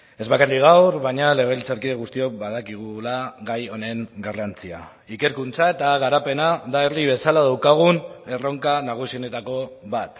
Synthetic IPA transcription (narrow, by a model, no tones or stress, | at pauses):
e̞zβakariɣawɾβaɲale̞ɣ̞e̞lt͡saɾkiðeɣust̪io̞kβað̞akiɣ̞ulaɣajo̞ne̞ŋɡarant͡sia̰ | ike̞ɾkunt͡sae̞t̪aɣ̞aɾape̞naðaeriβ̞e̞salað̞awkaɣ̞une̞ro̞ŋkanaɣ̞usio̞ne̞t̪ako̞βat̪